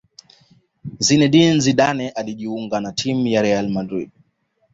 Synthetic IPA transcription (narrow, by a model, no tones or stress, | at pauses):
zinɛɗinziɗanɛʔaliʄiuŋɡanatʰimujaɾɛalmadɾid